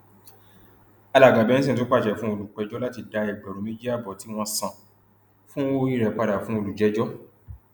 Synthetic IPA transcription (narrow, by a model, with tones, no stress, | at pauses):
a˧la˨ɡa˨bɛ˦ñ̩̬˦ĩ˦˨t̬o˦k͡pa˦˨ʃɛ˨fũ˦o˧lu˨k͡pɛ˧d͡ʒɔ˦la˦ti˧˨da˧ɛ˨ɡ͡bɛ˨ɾo˨˦me˦d͡ʒi˦a˦˨bɔ˨ti˦w̃ɔ̃˧sã˨ | fũ˦o˦i˦˨ɾɛ˨˧k͡pa˧ɾa˨fũ˦o˧lu˨d͡ʒɛ˦d͡ʒɔ˦